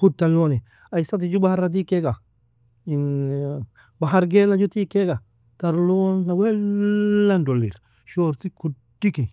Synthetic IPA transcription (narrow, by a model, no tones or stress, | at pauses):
kutːaloni | ajsat̬id͡ʒubahaɾat̬ikeɡa | in | baɦaɾɡelad͡ʒutikeɡa | taɾlonkawe | andolḭɾ | ʃoɾtiku | diki